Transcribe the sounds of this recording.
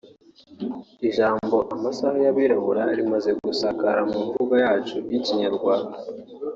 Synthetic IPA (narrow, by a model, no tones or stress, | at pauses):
iʒaːmbo̞ʔamasahajaβiɾaβuɾaɾimaze̞ɡusakaɾamuɱvuːɡajaːt͡ʃujiciɲaɾɡwaːnda